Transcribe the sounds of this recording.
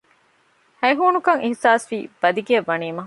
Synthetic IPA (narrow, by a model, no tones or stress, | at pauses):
hɐjɦuːnukɐŋʔihsaːsʋiːb̥ɐd̪iɡiɐʋːɐniːmɐɦ